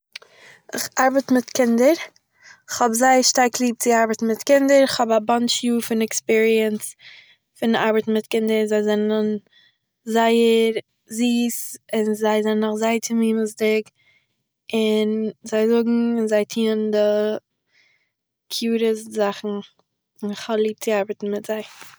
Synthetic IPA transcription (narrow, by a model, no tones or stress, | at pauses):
ɪχaɾbətmɪtkʰɪndəɾ | ɪχhɔbzaɪəʃtaɾklˠiːp̚t͡sɪaɾbətn̩mɪtkɪndəɾɪχhɔbabant͡ʃjuːfɪnɛkspiːɾiəns | fɪna̰ɾbətn̩mɪtkɪndəɾzaɪzɛnən | zaɪəɾ | ziːsɪnzaɪzannːʊχzaɪətʰɪmiːməzdɪk | ɪnzaɪzʊɡŋ̩ɪnzaɪtʰiːəndɪ | kʰjuːɾəszaχn̩ | ɪnɪχhɔblˠiːp̚t͡sɪaɾbətn̩mɪtz̥aɪ